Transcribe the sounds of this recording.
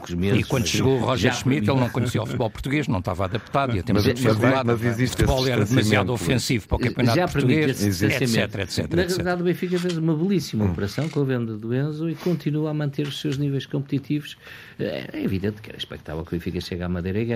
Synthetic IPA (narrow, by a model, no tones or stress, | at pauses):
kuʒmeiwɐ̃nuʃɨɣoʁɔʒʒɛʃmit̪elˠnɐ̃w̃kuɲsiawfut̪βɔlˠpuɾt̪uɣeʒnɐ̃w̃t̪avaðɐpt̪aðiɐt̪ẽmzt̪fiamɐziziʃtfutβɔlˠɛɾɐðmɐziaðuɔfẽsivupɾɔkɐ̃piunaʒapɾpɾmt̪uiɣeʃzɐ̃sɛɐmẽsɛt̪ɾɐɛt̪sɛ̰t̪ɾnɐʁjɐlˠɛiðaðuβẽfikɐfezumɐβlˠisimɐupɨɾɐsɐ̃w̃kõɐvẽnd̪ɐðuẽs̬ɐikõnt̪inuamɐ̃nt̪eɾuʃsewʒnivejʃkõmp̚t̪it̪ivuʃ | ɛ̰ɛ̰ɛiviðẽnt̪kɛ̰ɾɐiʃpɛ̰kt̪a̰vɛlˠkuβẽfikɐʃeɣamɐðejɾɐiɣɛ